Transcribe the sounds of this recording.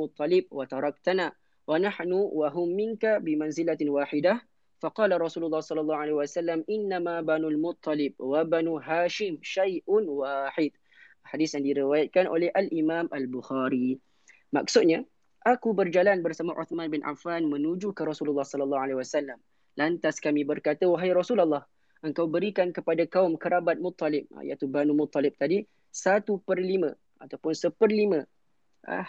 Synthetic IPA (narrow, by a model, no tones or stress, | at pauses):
ʊt̪ˤːɑlɪb̚wat̪ɑɾˤɑk̚t̪ana | wanaħnuwaɦʊmːɪnkabɪmanzilawaːħɪdah | faqɑːlaɾˤɑsuːlʊlːɑhsˤɑlːɑlˤːɑhuʕalehwasalːamʔɪnːamabanulmʊt̪ˤːɑlɪb̚wabanuɦaːʃɪmʃajʔʊnwaːħɪd̪̥̚ | ħadisjaŋdiɾiwajat̪̚kanʔo̰lɛhʔalʔimaːmʔalbʊxaːɾi | ma̰ksʊt̪̚ɲa | ʔakubərd͡ʒalanbərsamãʔʊ̰t̪mãnbɪnʔa̰fanmə̃nud͡ʒukəɾɔsululːɑhsɔləlːɑhalawasalːam | lant̪askamĩbərkat̪əwaɦjɾɔsulalːɑh | ʔəŋkawbəɾikankəpadakaʊmkəɾabat̪̚mʊt̪ˤːɑlɪp̚ja̰t̪ubanũmʊt̪ˤːɑlɪp̚t̪adi | sat̪upərlimə̃ | ʔat̪awpʊnsəpərlimə̃ | a̰